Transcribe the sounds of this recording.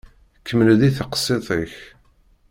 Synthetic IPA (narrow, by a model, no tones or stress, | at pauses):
kːəmːəlðiθəqə̥sˤːeðˤiç